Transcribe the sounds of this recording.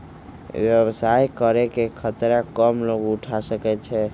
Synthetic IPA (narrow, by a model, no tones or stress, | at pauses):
ʋjɛbsajkəɾɛkekʰət̪ɾakəmloɡuʈʰasəkɛt͡ʃʰɛ